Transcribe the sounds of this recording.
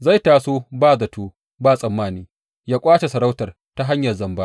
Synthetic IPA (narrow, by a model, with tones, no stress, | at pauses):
za˦˨jtaː˨soː˦baː˦˨zɐ˨tʰoː˦ | baː˦˨sʼɐ˨mːaː˦˨niː˦ | jaː˦kʷʼaː˦t͡ʃe˨sɐ˨ɾa˦wtɐ˨r | ta˦ɦa˦ɲjɐ˨rzɐ˨mbaː˦